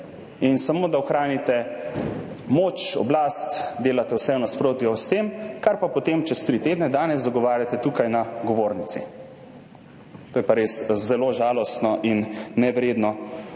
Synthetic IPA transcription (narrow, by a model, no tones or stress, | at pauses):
insamoːd̪aɔxɾaːnit̪ɛ | moːt͡ʃɔ̰blast̪d̪eːlat̪ɛwsɛwnaspɾoːt̪iɔst̪emkaɾpapɔt̪emt͡ʃɛst̪ɾit̪eːd̪nɛd̪aːnɛz̬zaɡɔʋaːɾʲjat̪ɛt̪uːkajnaɡɔʋoːɾnit̪sḭ | t̪oːjɛpaɾeːszɛloːʒaːlɔst̪nɔʔinːɛʋɾeːd̪nɔ